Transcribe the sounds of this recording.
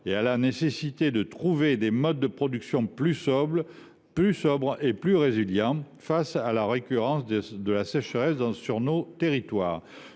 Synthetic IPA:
ealanesesit̪ed̪ət̪χuved̪emɔd̪̚ːəpχɔd̪yksjɔ̃plysb | ysɔbʁeplyʁeziljɑ̃ | fasalaʁekʲyʁɑ̃sd̪əlasɛʃəʁɛsd̪̃syʁnot̪eʁit̪wa̰ːʁ

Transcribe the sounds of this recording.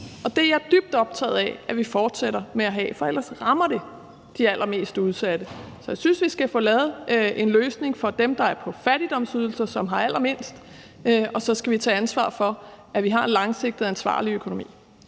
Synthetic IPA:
ʔɒ̽d̥e̝jæd̥yb̥̚d̥ɒ̽b̥̚t͡sʰɛ̰ːð̞̩ˠɛæʋifɒːd̥seɾɐmeæɦɛ̰fɒ̽elɐsʁɑ̈mɐɾ̥e̝ | d̥iæl̰ʔɐme̝̰ːsd̥uð̞ˠsæd̥əsɒjäɪsynsʋisɡ̥æfo̰ːlɛːð̞̩ˠʔe̝nløːsne̝ŋfɒ̽d̥emd̥ɑ̈æɐpʰɒ̽fæɾ̥id̥ɒ̽m̰syð̞ˠl̩sɐsɒ̽mɦɑ̈æl̰ɐme̝n̰sd̥ | ɒ̽sɒ̽sɡ̥æʋit͡sʰɛ̰ːænsʋɑ̰̈ːfɒ̽ʔæʋiɦɑ̈enlɑ̈ŋse̝ɡ̥̚d̥ð̩ˠænsʋɑ̰̈ːliøkʰo̝no̝mḭː

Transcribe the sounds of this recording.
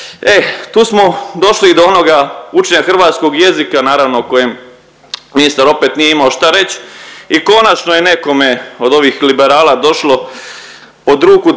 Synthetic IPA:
e̞t̪uːsmo̞d̪o̞ʃlid̪oono̞ɡaut͡ʃeɲaxr̩ʋaːt̪sko̞ɡje̞zikanaːɾaʋno̞ko̞jem | minist̪aɾo̞pet̪nijeimaoʃt̪aɾe̞t͡ɕiko̞nat͡ʃnojene̞ko̞meo̞d̪o̞ʋixlibeɾaːlad̪o̞ʃlo̞ | po̞d̪ɾuːku

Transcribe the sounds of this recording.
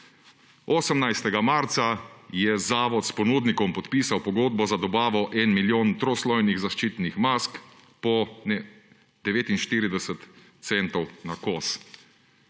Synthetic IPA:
ɔːsəmnajst̪ɛɡamaɾt̪sajɛzaːʋɔt̪spɔnuːd̪nikɔmpɔt̪piːsawpɔɡoːd̪̚bɔzad̪ɔbaːʋɔʔɛnmiljoːnt̪ɾɔslɔjniɣzaʃt͡ʃiːt̪nixmask | pɔnɛ | d̪̥ɛʋeːt̪inʃt̪iːɾid̪ɛsət̪ | sɛnt̪ɔwnakɔːs

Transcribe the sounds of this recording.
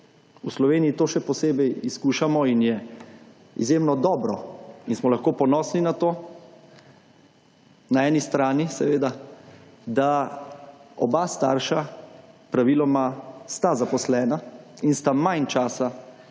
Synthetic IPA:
uslɔʋeːnijit̪oːʃɛpɔseːbɛjiskuːʃamɔinjɛ | ḭzjemnɔd̪ɔːbɾɔinsmɔlaxkoːpɔnɔːsninat̪oː | naɛːnist̪ɾaːnisɛʋeːd̪a | d̪a | ɔ̰bast̪aɾʃapɾaʋilɔmast̪azapɔslɛːnainst̪amajnt͡ʃaːsa

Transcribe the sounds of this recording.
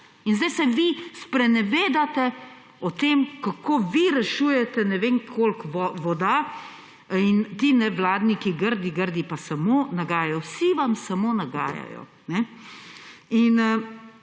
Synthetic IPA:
inzd̪ɛjsɛʋispɾɛnɛʋeːd̪at̪ɛ | ɔt̪eːmkakoʋiɾɛʃuːjɛt̪ɛnɛʋeːŋkʰoːlkʋɔʋɔd̪a | int̪iːnɛʋlaːd̪nikiɡəɾd̪iɡəɾd̪ipasamoːnaɡaːjajɔwsiʋamsamoːnaɡa̰ːja̰jɔ̰ | nɛ | in

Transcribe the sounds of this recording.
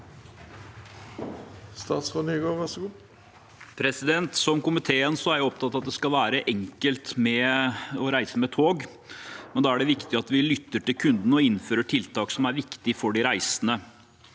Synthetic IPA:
st̪ɑːt̪sfonyːɡoːʋæʂɡuː | pʰɾɛsɪd̪ɛnt̪sɔmkʊmɪt̪ʰeːənsɔæɾjaɔp̚t̪ʰɑt̪ːɑt̪̚d̪ɛskɑlʋæːɾəʔɛŋkəlt̪mɛɔɾæɪsəmɛt̪ʰoːɡ | mɛnd̪ɑæɖɛʋɪkt̪ɪɑt̪ʋɪlʏt̪ːəʈɪlkʰʉnd̪nəɔɪnføːɾəʈʰɪlt̪ʰɑːksɔmæɾʋɪkt̪ɪfɔɖɪɾæɪsənə

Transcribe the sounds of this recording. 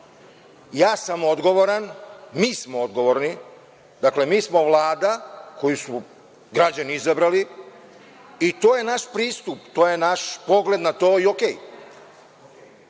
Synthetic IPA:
jaːsamo̞d̪ɡo̞ʋo̞ɾanmiːsmood̪ɡo̞ʋo̞ɾni | d̪akle̞miːsmo̞ʋlˠaːd̪akʰo̞jusu | ɡɾad͡ʑaniizabɾali | it̪oːje̞naʃpɾiːst̪upt̪oːjenaʃpo̞ɡle̞d̪nat̪o̞ːiokej

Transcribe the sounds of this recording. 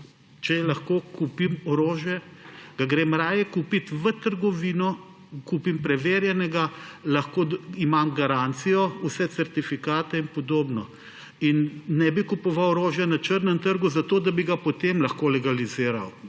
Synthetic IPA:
t͡ʃɛlɐxkoːkupimɔɾoːʒjɛɡ̥aɡɾemɾaːjɛkuːpit̪ʋət̪əɾɡɔʋiːnɔ | kuːpimpɾɛʋeːɾjɛnɛɡalɐxkoːimamɡaɾaːnt̪sijɔusɛt̪sɛɾt̪ifikaːt̪ɛinpɔd̪oːbnɔ | inːɛbikupɔʋawɔɾoːʒjɛnat͡ʃəɾnɛmt̪əɾɡuzat̪oːd̪abiɡapɔt̪emlɐxkoːlɛɡaliziːɾaw

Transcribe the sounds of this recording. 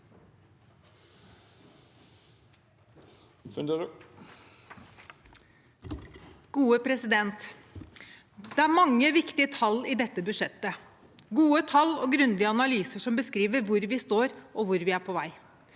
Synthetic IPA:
f | ɡ̥uːəpʰɾɛsɪd̪ɛnt̪ | d̪ɛæɾmɑŋːəʋɪkt̪ɪət̪ʰɑlːɪd̪ɛt̪ːəbʉd̪ʂɛt̪ːə | ɡuːət̪ʰɑlːɔːɡɾʉnd̪ɪəɑnɑlyːsəʂɔmbəskɾiːʋəɾʋʊɾʋɪst̪oːɾʔɔʋʊɾʋɪæɾpʰɔːʋæɪ

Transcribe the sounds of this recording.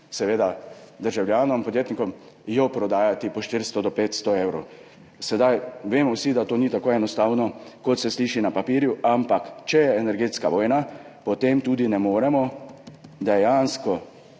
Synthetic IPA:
sɛʋeːd̪ad̪əɾʒawljaːnɔmpɔd̪jeːt̪nikɔm | jɔpɾɔd̪aːjat̪ipɔʃt̪iɾst̪ɔd̪ɔpeːt̪st̪ɔewɾow | sɛd̪ajʋeːmɔwsid̪at̪oːnit̪akoːɛnɔst̪aːwnɔkɔt̪sɛsliːʃinapapiːɾjuʔampakt͡ʃɛjɛɛnɛɾɡeːt̪skaʋɔːjna | pɔt̪emt̪uːd̪inɛmoːɾɛmɔ | d̪ɛjanskɔ

